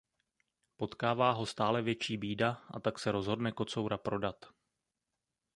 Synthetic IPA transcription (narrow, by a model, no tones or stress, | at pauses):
po̞t̪kaːvaːɦo̞st̪aːlɛvjɛt͡ʃiːbiːdaʔa̰t̪aksɛɾo̞zɦo̞dnɛko̞t͡so̞wɾapɾo̞dat̪